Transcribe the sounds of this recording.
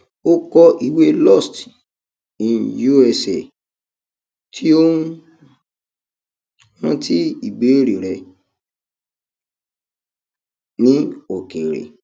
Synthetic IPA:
o˦kɔ˦ʔi˨we˦lɔ˦˨st | ĩ˨ju˦ɛ˧se˨ | tʰi˦o˦ | hã˦ti˦i˦˨be˨˦˨ɾe˨ɾɛ˧ | nĩ˦o˨ke˨ɾḛ˨

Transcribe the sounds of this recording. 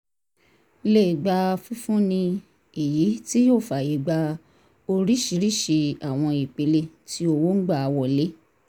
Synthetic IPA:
le˦˨ɡ͡ba˧fũ˦fũ˦nĩ˧ | e˨ji˨˦ti˦joː˦˨fa˨je˨ɡ͡ba˧ | o˧ɾi˦ʃi˧ɾi˦˨ʃe˧a˨w̃ɔ̃˧i˨k͡pe˧le˧ti˦o˧wo˦ŋ̩˦ɡ͡ba˦˨wɔ˦˨le˨˦

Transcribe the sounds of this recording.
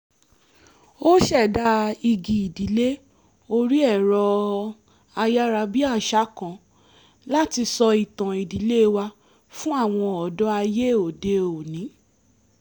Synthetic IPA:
o˦ʃɛ˦˨da˧i˧ɡi˨i˨di˨˦le˦ | o˦ɾi˦ɛ˦˨ɾɔ˧ | a˧ja˦ɾa˧bi˦a˦˨ʃa˦kã˨ | la˦ti˧sɔ˧i˨tã˨i˨di˨˦le˦˧wa˧ | fũ˦a˦˨w̃ɔ̃˧ɔ˨dɔ˦a˧je˦˨o˨de˧o˨nĩ˨˦

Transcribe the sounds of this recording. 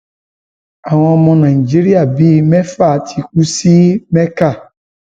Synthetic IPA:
a˨w̃ɔ̃˨mɔ̃˨nã˨i˨d͡ʒi˦ɾi˦a˨bi˦mɛ̃˦fa˦˨tʰi˨ku˦si˦mɛ̃˦ka˦˨

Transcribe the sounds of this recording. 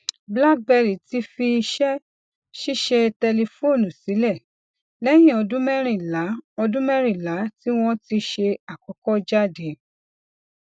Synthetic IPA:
bla˦k̚bɛ˧˨ɾi˨ti˧˦fi˧i˧ʃɛ˦ | ʃi˦ʃe˧tɛ˧le˧fo˦˨nũ˨si˨˦lɛ˦˨ | lɛ˦j̃ĩ˦˨ɔ˧dũ˦mɛ˦ɾ̃ĩ˨la˨˦ɔ˧dũ˦mɛ˦ɾ̃ĩ˨la˨˦ti˦w̃ɔ̃˦ti˧ʃe˧a˨kɔ˨˦kɔ˦d͡ʒa˦˨dẽ˨˦

